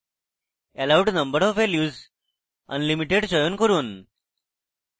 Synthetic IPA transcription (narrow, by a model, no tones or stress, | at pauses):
ɛlawɖnəmbəɾɔʋʋɛljuːz | ə̰nlimiʈeɽɕəjuːnkəɾuːn